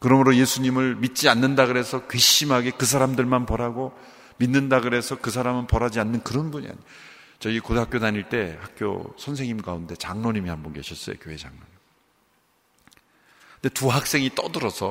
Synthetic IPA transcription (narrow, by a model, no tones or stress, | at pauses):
kɯɾʌmɯɾoje̞sʰuɲimɯɭmit̚t͡ɕ͈ianːɯndaɡɯɾe̞sʰʌkɥiɕimɦaɡe̞kɯs̬ʰaɾamdɯɭmanpʌɾaɡo | minːɯndaɡɯɾe̞sʰʌkɯsʰaɾamɯnpʌɾad͡ʑianːɯnkɯɾʌnbuɲḭa̰ɲi | t͡ɕʌikodɦakjodaɲiɭt͈e̞hak͈̚jo̰sʰʌnsʰe̞ŋimkaunde̞t͡ɕaŋnoɲimihambʌnke̞̰ɕʰʌts͈ʌjo̰kjoɦe̞d͡ʑa̰ŋnoɲ | ɯnde̞tuɦak̚s͈e̞ŋit͈ʌdɯɾʌsʰʌ